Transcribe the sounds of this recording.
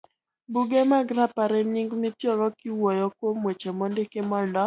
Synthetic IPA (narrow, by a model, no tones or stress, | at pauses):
buɡemaɡɾapaɾɛɲiŋɡmɪtjɔɡɔkɪwɔjɔkwomwet͡ʃemɔndekemɔndɔ